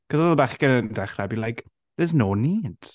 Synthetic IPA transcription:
kʰɔzɔðəlˠbaχɡ̥ənəndɛχrɛbilajk | ðəznoːniːd̥

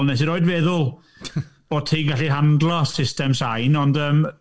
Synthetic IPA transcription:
lˠnɛs̬iɾoːɨdvɛðʊlˠ | b̥oːd̥̚tʰiːnɡaɬiɦandlˠɔsɪstɛmsajnɔndəːm

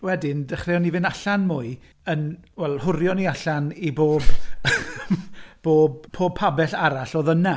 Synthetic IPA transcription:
wɛdɪndɛχreːɔnivɪnaɬanmʊɨ | ənwɛlˠhʊɾjɔniaɬaniboːb | b̥oːb̚pʰoːb̚pʰabɛɬaɾaɬoːðəna

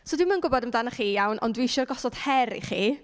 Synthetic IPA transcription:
soːdwɪmanɡʊbɔdəmdanaχiːjawnʔɔ̰ndwiʃɔrɡɔsɔd̥hɛɾḭχiː

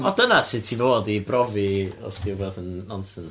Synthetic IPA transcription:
ɔdənasɪtʰivoːdibrɔviɔ̰sd̥ɪwvɔðənːɔnsən

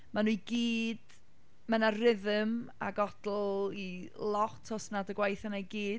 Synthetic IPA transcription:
manuːɡiːd̥ | mənarɪðəmaɡɔdl̩ˠilˠɔtʰɔsnadəɡwajθanajɡiːd̥̚

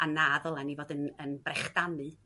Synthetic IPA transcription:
ʔanaðɔlˠanivoːdənənbrɛχd̥anɨ

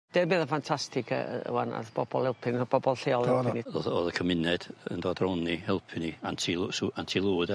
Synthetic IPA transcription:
d̥eːbɨːðəfantʰastɪkʰə̰ə̰wana̰ðb̥ɔb̥ɔlˠhɪlˠpʰɪnb̥ɔbɔlˠɬeːɔlˠhɛpɪnioðɔːðəkʰəmɪnɛd̥ə̰ndɔdrɔnːihɛlˠpʰɪniantʰisantʰilˠuːd

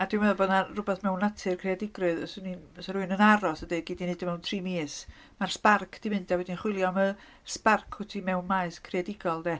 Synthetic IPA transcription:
adɪmɛðɔbɔdnarʊbɛθmɛwnatʰɨrkʰreadɪɡrɨðɔsnisɔɾuɨnənaɾɔsədɨɡɪdinɨdəmɛwntʰriːmiːs | mar̥sparkʰd̥imɪnd̥awɛdinχwɪlˠjɔmə | sparkʰʊtʰimɛwnmaɨskʰriadɪɡɔlˠdɛ

